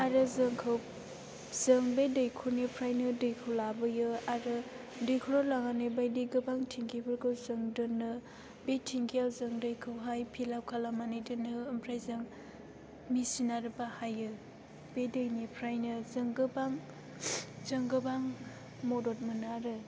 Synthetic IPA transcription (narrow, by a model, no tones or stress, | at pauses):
aɾɯzɯŋkʰɯw | z̥ɯŋbedɯjkʰunepʰɾajnɯdɯjkʰɯwlabɯjɯaɾɯ | dɯjkʰuɾɔlaŋanebajdɯɡɯbaŋtʰiŋkʰibɯɾɡɯwzɯŋdɯnɯ | betʰiŋkʰijawzɯŋdɯjkʰɯwɦajpʰilawkʰalamanɯjdɯnɯːmpʰɾajzɯŋ | misinaɾɯbahajɯ | bedɯjnepʰɾajnɯzɯŋɡɯbaŋ | zɯŋɡɯbaŋ | mɔdot̚mɯnɯaɾɯ